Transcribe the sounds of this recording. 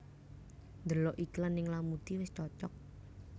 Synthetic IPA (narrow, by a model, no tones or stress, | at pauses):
nd̪əlɔʔiklənɪŋlamut̪iwɪst͡ʃɔt͡ʃɔk̚